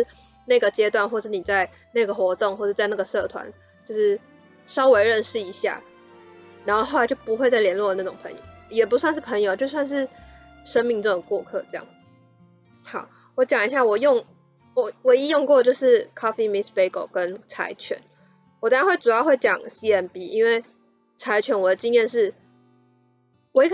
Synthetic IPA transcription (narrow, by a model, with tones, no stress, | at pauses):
ʂɻ̩˥˧ | na˥˩ɡə˩t͡ɕjɛ˥t̪wa˥˧nxwɔ˥˩ʈ͡ʂ̩˥˩ni˨˩t͡sa˥˧ɪ | na˥˩ɡə˩xwɔ˧˥t̪ʊ˥˨ŋxwɔ˥˩ʈ͡ʂɤ˥˧t͡sa˥˧ɪna˥˩ɡə˩sɤ˥˩t̪ʰwa̰˧˦n | t͡ɕjo˥˧ʊʂɻ̩˥˩ | ʂɑ˦˥ʊwe˧˥ɪɻə˥˧nʂɻ̩˥˩i˧˥ɕja̰˥˩ | a˨˧nxo˥˧xo˥˩a˧˦ɪt͡ɕo˥˩ʊpu˧˥xwe˥˧ɪt͡sa˥˩ɪljɛ˧˥nlwɔ˥˩ə˩na˥˩ʈ͡ʂʊ˨˩ŋpʰə̰˧˦ŋjo̰˨˩˦jɛ˨˩pu˧˥swa˥˧nʂ̬ɻ̩˥˩pʰə˧˥ŋjo˨ʊt͡ɕjo˥˧ʊs̬wa˥˧nʂ̬ɻ̩˥˩ | ʂə˥nmi˥˧ŋʈ͡ʂɤ˥˩ʊ˩ŋ˨˩ŋkwɔ˥˧kʰɤ˥˧ʈ͡ʂɤ˥˧jɑ̰˥˩ŋ | xɑ˨˩˦ʊ | wɔ˧˥t͡ɕjɑ˨˩ŋi˧˦ɕ̬ja˥˩wɔ˨˩jʊ˥˩ŋ | wɔ˨˩wɔ˨˩i˥jʊ˥˧ŋkwɔ˥˧t͡ɕjo˥˧ʊʂɻ̩˥˩kʰɑ˥fi˥mi˧˥spe˧˥ɪko̰˨˩ʊkə˦˥nt͡sʰa̰˧˥ɪt͡ɕʰɥɛ̰˧˦n | wɔ˨˩ɑ˥ɻa˧nwe˥˩ɪʈ͡ʂu˨˩jɑ˥˧ʊxwe˥˩ɪt͡ɕjɑ˨˩ŋsi˦ɛ˧npi˥i˦nwe˥˩ɪ | t͡sʰa˧˥ɪt͡ɕʰɥɛ˧˥nwɔ˨˩d̪ə˩˦t͡ɕi˥njɛ˥˧nʂɻ̩˥˩ | wɔ˨˩i˥k